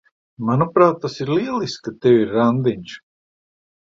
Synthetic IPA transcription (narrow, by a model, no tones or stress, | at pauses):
manupɾaːt̪ːasiɾliɛlˠist̪kat̪ewiɾːand̪iɲʲʃ